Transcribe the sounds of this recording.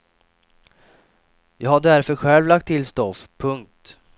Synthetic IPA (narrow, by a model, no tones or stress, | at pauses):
jɑːhaɖæɾfœɾɧɛlvlakt̪ʰːɪlst̪ɔfpʰɵŋk̚tt̪